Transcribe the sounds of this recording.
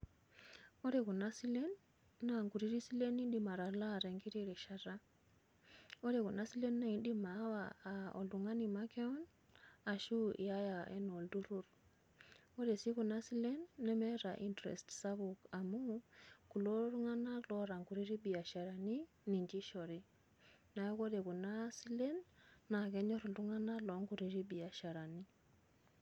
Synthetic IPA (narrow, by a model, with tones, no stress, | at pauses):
ɔ˦ɾe˨ku˨na˦si˦lɛ˦nː | a˨ŋɡu˨ɾi˦ɾi˦si˦le˦ni˦ɗi˨ma˨ɾa˨la˦˨ɾɛ˨ŋɡi˦ɾi˦ɾɛ˨ʃa˨ɾa˦ | ɔ˦ɾɛ˨ku˨na˦si˦lɛ˦nːa˦i˦ɗi˦ma˨˦wa̰ː˨ɔ̰˨ldu˨ŋa˦ni˨ma˦kɛ˦ɔ˦n | a˨ʃu˦ʔḭ˨a˦ja˨ʔɛ̰˦nɔ˨ldu˦ɾu˦ɾ | kɔ˦de˨si˦ku˨na˦si˦lɛ˦nːɛ˦mɛ˦ɾa˨ʔi˦ntɾɛ̰˨stsa˦bu˨ka˨mu˦ku˨lo˦ɾu˦ŋa˦na˦lɔ˦ɾa˨ŋku˨ɾi˦ɾi˦bi˨a˨ʃa˨ɾa˨ni˦ | ni˨ɲd͡ʒi˦ʃɔ˨ɾi˦ | na˨jɔ˦kɔ˦de˨ku˨na˦si˦lɛ˦nːa˨kɛ˦ɲɔ˦ɾɔ˨ldu˦ŋa˦na˦lɔ˨˦ŋku˨ɾi˨ɾi˦bi˨a˨ʃa˨ɾa˨ni˦